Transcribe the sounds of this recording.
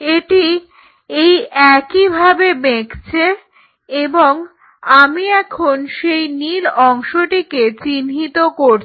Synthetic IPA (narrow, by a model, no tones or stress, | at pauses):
eʈi | ejɛkibʱabebekt͡ɕʰe | eboŋ | amiɛkʰonʃejniɾɔŋʃoʈiket͡ɕinɦit̪okoɾt͡ɕ